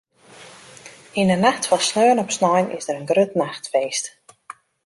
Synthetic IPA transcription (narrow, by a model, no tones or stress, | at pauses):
inənaxtfɔlˠsnøənɔpsnɔjnɪ̰zdəɾənɡrøtnaxtfeːst